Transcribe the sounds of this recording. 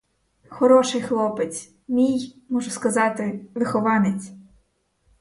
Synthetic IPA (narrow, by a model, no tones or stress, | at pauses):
xɔɾɔʃɪjxlˠɔpet͡sʲ | mʲij | mɔʒʊskɐzɑt̪ɪʋɪxɔʋɑnet͡sʲ